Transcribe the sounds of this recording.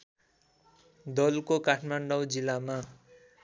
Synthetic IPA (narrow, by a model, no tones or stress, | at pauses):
d̪ʌlkokaʈʰmaɳɖʌwd͡zilama